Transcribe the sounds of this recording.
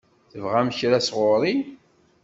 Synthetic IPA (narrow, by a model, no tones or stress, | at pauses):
θəvʁæmçɾæsʁʊɾˤi